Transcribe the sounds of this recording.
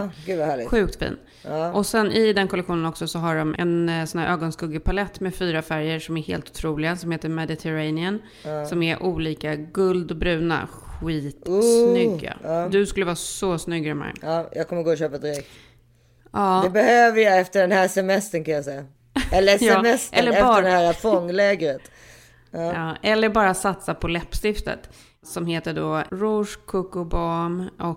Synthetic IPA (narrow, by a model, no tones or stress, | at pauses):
ɡʉːvahæːɭɪɧʉ̟ːkt̪fḭːnː | ʔɔsɛnʔɪd̪ɛnkʰɔlɛkɧuːnənɔksɔsɔɦaɖɔmɛ̰nsɔnhæːɾʔøːɡɔnskɵɡɪpʰalɛt̪ːmɛːfyːɾafæɾjəʂɔmæɾhḛːlt̪ʊ̥t̪ʰɾuːlɪɡasɔmheːt̪əɾmɛd̪ɪt̪ʰɛɾajnɪən | sɔmæɾʔuːliːkaɡɵld̪ɔbɾʉ̟ːna̰ɧiːt̪snʏɡːa̰d̪ɵskɵlːəvɑːsɔsnʏɡːɾɛmːa̰ɾ̰ɑːjʔɑːkʰɔmːəɾɡoːɔɕøːpad̪ɪɾɛk̚t | ɑːd̪ɛbɛhøːvəjaɛft̪əɖɛnhæːsɛmɛst̪ənkʰanjasɛja | ɛlːəjɛːmɛst̪ɛlːəɾɛːəɛhæːɾafɔŋːlɛːɡəɾət̪ː | ɑːɛlːəɾbɑːɾasat̪sapʰɔlɛpːst̪ɪft̪ə̰t̪ | sɔmheːt̪əɖɔɾʊʂkʰʊkʊbɑmʔɔk